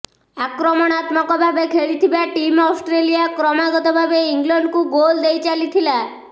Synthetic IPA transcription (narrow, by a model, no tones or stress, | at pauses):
akɾɔmɔɽ̃at̪mɔkɔbʱabekʰeɭit̪ʰibaʈimɔwsʈɾelijakɾɔmaɡɔt̪ɔbʱabeiŋɡlɔɳɖkuɡold̪ejt͡ʃalit̪ʰila